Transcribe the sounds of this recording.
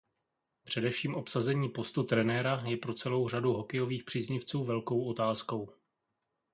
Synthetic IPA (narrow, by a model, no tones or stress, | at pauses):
pr̝̥ɛdɛfʃiːmʔo̞psazɛɲiːpost̪ut̪ɾɛnɛːɾajɛpɾo̞t͡sɛlo̞wr̝aduɦo̞kɛjo̞viːxpr̝̥iːzɲɪft͡suːvɛlko̞wʔo̞t̪aːsko̞w